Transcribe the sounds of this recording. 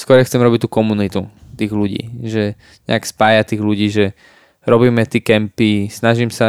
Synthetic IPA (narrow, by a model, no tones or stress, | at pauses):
skɔɾɛxt͡sɛmɾɔbict̪ːuːkɔmunit̪ut̪iːɣluɟḭːʒɛ | ɲɛ̰akspaːjat̪iːɣʎuɟiːʒɛ | ɾɔbiːmɛt̪iːkɛmpisnaʒiːmsa